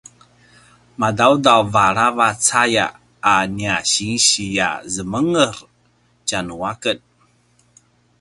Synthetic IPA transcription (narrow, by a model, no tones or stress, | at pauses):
madawdawvaɾavat͡saja̰ː | niaɕiŋɕija̰zəməŋəɾ | t͡ɕanuakət̚